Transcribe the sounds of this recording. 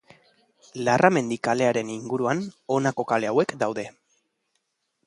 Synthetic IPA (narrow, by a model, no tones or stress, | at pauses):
larʔame̞nd̪ikale̞aɾe̞niŋɡuɾuano̞nako̞kale̞awe̞kd̪awðe̞